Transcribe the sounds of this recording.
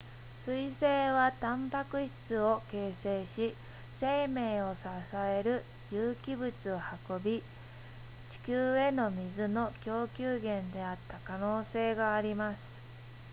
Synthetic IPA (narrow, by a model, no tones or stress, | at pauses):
sɨise̞ːβat̪ãmpakɯ̟ɕi̥t͡sɨo̞ke̞ːse̞ːɕi | se̞ːme̞ːo̞sasae̞ɾɯ̟ | jɯːkʲibɯ̟t͡sɨo̞hako̞bʲi | t͡ɕi̥kʲɨːe̞no̞mʲizɨno̞kʲo̞ːkʲɨːɡẽ̞nd̪e̞at̪ːakano̞ːse̞ːɡaːɾʲimasɨ̥